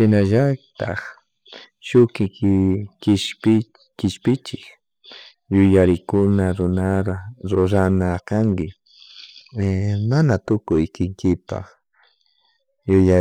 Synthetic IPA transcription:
ʃɪnaʒat̪aχ | ʃʊkɪkkɪʃpɪ | kɪʃpɪt͡ʃɪk | jʊjaɾɪkʊnaɾʊnaɾaɾoɾanakaŋkɪ | manat̪ʊkʊjkɪŋkɪpa̰χ | jʊja

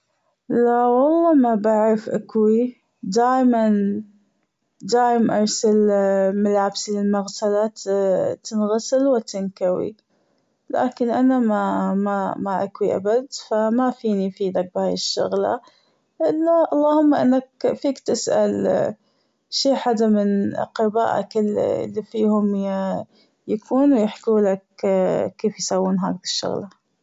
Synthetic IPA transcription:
lawɑlˤːɑːmabaʕɾafʔa̰kwi | d̪aːjman | d̪aːjmʔɑɾˤsalmalʕabsilɪlmaɣtala | t̪ɪnɣasɪlwɪt̪ɪnkawḭ | la̰ːkɪnʔanamamamaʔakwiʔa̰bad̪famafiːnifiːd̪ak̚bhaːjɪʃːʊ̰ɣla̰ | ʔɪlːaʔɑlˤːɑːhʊmːaʔɪnːakfiːkt̪ɪsʔa̰l | ʃiːħad̪amɪnqɪba̰ːʔa̰kɪl̰lːifiːhʊm | jakʰuːnwjɪħkuːlakkeːfjsawːuːnɦa̰ːd̪ɪkɪ̥ʃːʊ̰ɣla

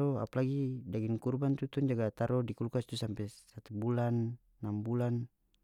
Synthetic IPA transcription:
ɔa̰palaɡidaɡinkurbant̪ut̪ɔnd͡ʒaɡat̪aɾɔdikulkast̪usampɛsat̪ubulanː | ambulan

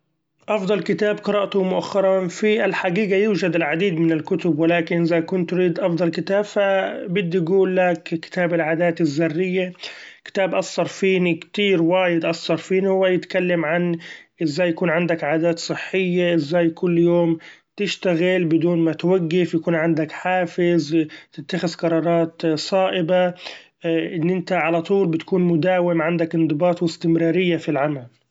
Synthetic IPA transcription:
ʔɑfd̪ˤɑlkɪt̪aːbqɨɾɑːʔt̪ʊmʊʔaxːɑɾˤɑnfiʔɪlħaɡiːɡajuːd͡ʒad̪ɪlʕad̪iːd̪mɪnɪlkʊt̪ʊbwɪlaːkɪnʔɪzakʊnt̪ːʊɾiːd̪ʔɑfd̪ˤɑlkɪt̪aːb̥fabɪd̪ːiɡuːlːakkɪ̥t̪aːbɪlʕaːd̪aːt̪ɪzːɑrːɪjːakɪ̥t̪aːbʔɑsˤːɑɾˤfiːnikt̪iːɾwaːjɪd̪ʔɑsˤːɑɾˤfiːnhʊwːajɪt̪kalːamʕanʔɪzːaːjːakuːnʕɪnd̪akʕaːd̪aːt̪sˤɨħːɪjːaʔɪzːaːjkʊlːjoːm | t̪ɪʃt̪aɣɪlbɪd̪uːnmat̪waɡːɪfjakuːnʕɪnd̪akħaːfɪzt̪ɪt̪ːaxɪzqɑɾˤɑːɾˤɑːt̪sˤɑːʔɪba | ʔɪnːʔɪnt̪aʕalat̪ˤuːlbɪt̪kuːnmʊd̪aːwɪmʕand̪akʔɪnd̪ˤɨbɑːt̪ˤwɪst̪ɪmɾɑːɾɪjːafilʕamal

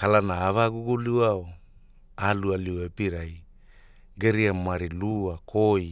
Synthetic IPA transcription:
kalanaːvaɡuɡuluao | alualiwepiɾaj | ɡeɾiamaɾiluakʰoj

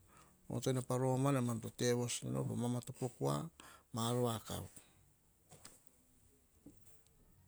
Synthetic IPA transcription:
o̰tojnapaɾo̞manemantote̞βo̞sna̰no̰komamatopo̞kua̰maːɾoaka̰w

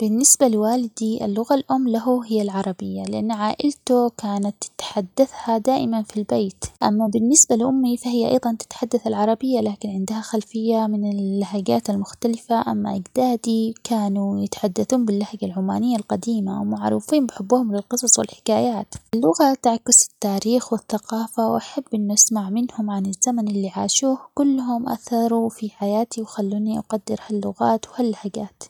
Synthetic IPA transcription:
b̥ɪnːɪsbalɪwaːlɪd̪iʔɪ̰lːʊɣalʔʊmːlaɦʊɦɪjːalʕɑɾˤɑbɪjːalɪʔanːʕaːʔɪlt̪ʊkaːnat̪t̪ħad̪ːaθhad̪aːʔɪmanfilbeːt̪ʔa̰mːabɪnːɪsbalʔʊmːifahɪjːaʔɑ̰jðˤɑnt̪ɪ̥t̪ħad̪ːaθalʕɑɾˤɑbɪjːalaːkɪnʕɪnd̪ahaxalfɪjːamɪnɪlːaɦaɡaːt̪almʊxt̪alɪfaʔamːa̰ʔɪɡd̪aːd̪ikaːnujɪt̪ḁħad̪ːaθuːnbɪlːahaɡalʕʊma̰ːnɪjːalqɑd̪iːma̰wmaʕɾṵːfiːnmbɪħɪbːuhʊmlɪlqɨsˤɑsˤwɪ̰lħɪ̥kaːjaːt̪ʔalːʊɣat̪ʔaʕkɪsɪ̥t̪ːaːɾiːxwɪθːaqɑːfawʔaħabːʔɪnːuʔasmaʕmɪnhʊmʕanɪzːamanʔɪlːiʕaːʃuːhkʊlːhʊmʔa̰θɑɾˤufiħajaːt̪iwxalːuːniʔaqɑd̪ːɪɾhalːʊɣaːt̪whalːahaɡaːt̪

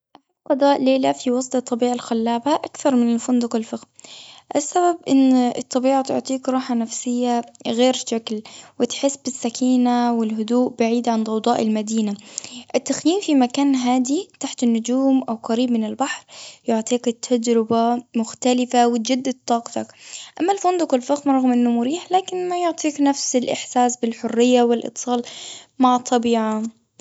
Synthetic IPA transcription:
ʔaħaqːɑd̪ˤɑːʔleːlafiwɑsˤt̪ˤɑt̪ˤːɑbiːʕalxalːaːbaʔakθɑɾˤmɪnɪlfʊnd̪ʊqɪlfɪxʔasːababʔɪnːɨt̪ˤːɑbiːʕat̪ʊ̰ʕt̪ˤiːkɾˤɑːħanafsɪjːaɣeːɾʃaklwɪt̪ħɪsːbɪsːakʰiːnawɪlɦʊd̪uːʔbaʕiːd̪ʕand̪ˤɑwd̪ˤɑːʔɪlmad̪iːnaʔɪt̪ːaxjiːnfimakaːnɦaːd̪it̪aħt̪ɪnːʊd͡ʒuːmʔawqɑɾiːbmɪnɪlbaħɾjʊʕt̪ˤiːkɪt̪ʰːad͡ʒɾɪbamʊxt̪alɪfawɪd͡ʒad̪ːat̪ˤːɑːqt̪ɑkʔamːalfʊnd̪ʊkɪlfaxmɾˤɑɣmʔɪnːʊmʊɾiːħlaːkɪnmajʊʕt̪ˤiːknafsɪlʔɪħsaːsbɪlħʊrːɪjːawɪlʔɨ̰t̪ˤːsˤɑːlmaʕɑt̪ˤːɑbiːʕa

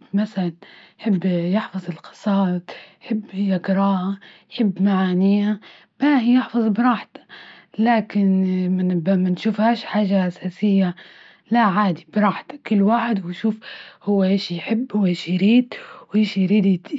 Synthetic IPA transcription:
masalanjħɪbːjɪħfɑzˤɪlqɨ̥sˤɑːt̪ˤħɪbːɪjaɡɪɾˤɑːʔajħɪbːmaʕaːnɪja | b̥ahjɪħfɑðˤbɾˤɑːħt̪ḁ | laːkɪnmanbmanʃuːfhaːʃħaːʒaʔasaːsɪjːa | laʕaːd̪ibɾˤɑːħt̪ḁkʊlːwaːħɪd̪wɪʃuːfhʊwːaʔeːʃijħɪbːhʊwːaʔeʃiɾiːd̪wʔeːʃiɾiːd̪

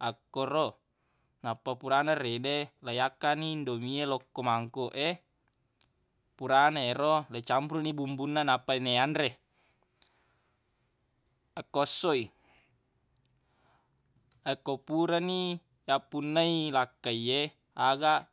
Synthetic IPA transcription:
akːoɾo | napːapuɾanaredelajakːanindomielokːomaŋkoʔe | puɾanaeɾolat͡ʃampɾunibumbunːanapːaineanɾe | akːosːoi | akːopuɾani | japːunːailakːaie | aɡa

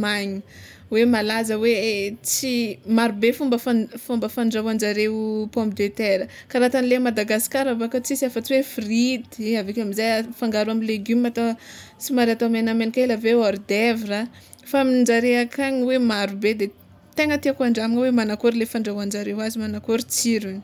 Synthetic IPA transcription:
majɲi | wemalazəwet͡simaɾubefumbəfafumbəfaɳɖ͡ʐawand͡ʒaɾewpɔmbd̪et̪eɾəkaɾat̪anlemad̪aɡasi̥kaɾavakət͡sisafat͡siwefrid̪avekʲamizajafaŋɡaɾuamileɡymiat̪at͡simaɾat̪oamenamenikaelaveoɾd̪evira | famiɳd͡ʒaɾeakaɲiwemaɾubed̪e | t̪eŋət̪iakuaɳɖ͡ʐamiŋəwemanakoɾilefaɳɖ͡ʐawand͡ʒaɾewazimanakoɾit͡siɾuni̥

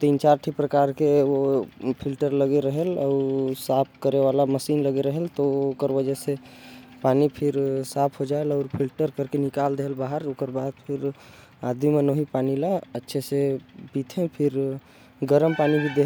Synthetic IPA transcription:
t̪int͡ʃaɾʈʰipɾəkaɾkeopʰilʈəɾləɡeɾəɦelɔʊsapʰkəɾeʋalaməsinləɡeɾəɦelt̪ɔokəɾʋəd͡ʒɛsepanipʰiɾsapʰɦod͡ʒaelɔʊɾpʰilʈəɾkəɾkenikald̪eɦlbaɦəɾokəɾbad̪̚pʰiɾ | ad̪ʱimenoɦipanilaətːʃʰesebit̪ʰẽpʰiɾ | ɡəɾəmpanibʱid̪e

